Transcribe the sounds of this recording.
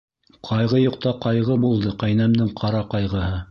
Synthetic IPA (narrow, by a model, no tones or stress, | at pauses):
qʰɑjʁɤjuqt̪ɑqɑjʁɤbulˠd̪ɤqæjnæmd̪ɘŋqʰɑɾɑqɑjʁɤ̆hɤ